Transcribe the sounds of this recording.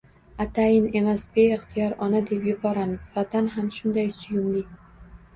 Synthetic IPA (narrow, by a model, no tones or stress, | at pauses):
at̪ʰajɪne̞masbe̞ɪχt̪ʰɪjɒɾɒnad̪e̞pjʊbɒɾamɪz̥vat̪ʰanɦamʃʊnd̪ajsʊjʊmli